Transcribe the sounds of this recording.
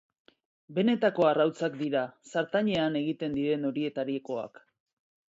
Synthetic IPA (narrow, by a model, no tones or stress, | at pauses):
be̞ne̞t̪ako̞arawt͡sak̚d̪iɾasaɾt̪aɲe̞ane̞ɣit̪e̞nd̪iɾe̞no̞ɾie̞t̪aɾieko̞a̰k